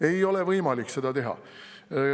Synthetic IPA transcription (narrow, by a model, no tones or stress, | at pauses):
e̞jo̞levɤjmɑlikse̞d̪̥ɑt̪e̞ɦɑ̰